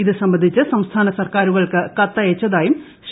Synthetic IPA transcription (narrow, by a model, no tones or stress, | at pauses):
iðɨsɐmbɐnd̪ʱit͡ɕːɨsɐmst̪ʰaːnɐsɐrkaːɾuɣɐɭkɨkɐt̪ːɐet͡ɕːɐðaːjum | ɕ